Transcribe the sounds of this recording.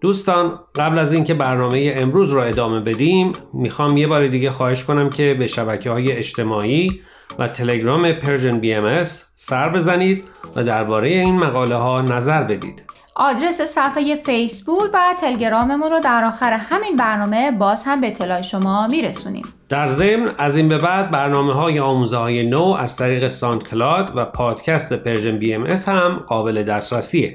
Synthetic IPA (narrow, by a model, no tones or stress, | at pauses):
d̪̥uːst̪ɒːnɢæblæziːncʰe̞bæɾnɒːme̞jeemɾuːzɾɔːe̞d̪ɒːme̞be̞d̪iːmːixɒːmje̞bɒːɾed̪iːɟexɒːhe̞ʃko̞næmcʰe̞beʃæbæcʰehɒːje̞eʃt̪ʰe̞mɒːiː | væt̪ʰe̞le̞ɡɾɒːme̞pʰe̞ɾʒenbiemesːæɾbe̞zæniːd̪̚væ̰d̪æɾbɒːɾe̞jeiːnmæɣɒːle̞ɦɒːnæzæɾbe̞d̪ḭːd̪̥ | ʔɒːd̪ɾe̞sesæfeje̞fejsbuːkvæt̪ʰe̞leɟe̞ɾɒːme̞munrɔd̪æɾɒːxæɾehæminbæɾnɒːme̞bɒːz̥hæmbeːt̪ʰːe̞lɒːjeʃo̞mɒːmiːɾesuːnḭːm | d̪̥æɾzemnæziːnbe̞bæd̪̚bæɾnɒːmeɦɒːjeɒːmuːzehɒːje̞noæz̥t̪ʰæɾiːɣe̞sɒnt̪kʰlɒd̪væpʰɒːd̪̥cʰæst̪epʰeɾʒenbiːemeshæmɢɒːbe̞le̞d̪æːst̪ɾæsiːe